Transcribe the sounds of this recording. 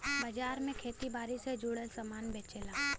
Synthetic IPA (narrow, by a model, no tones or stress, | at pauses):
bɐd͡ʒaːɾmẽkʰeːt̪ibaːɾised͡ʒuːɽəlsəmaːnbeːt͡ʃeːlaː